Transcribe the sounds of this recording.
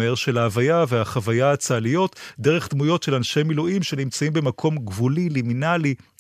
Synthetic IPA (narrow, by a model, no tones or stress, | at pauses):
eʁʃe̞laːvajaveaχavajaat͡saːlijo̞tdeʁe̞χdmujo̞tʃe̞lanʃe̞miluʔimʃe̞nimt͡saimbemakʰo̞mɡvuliliminali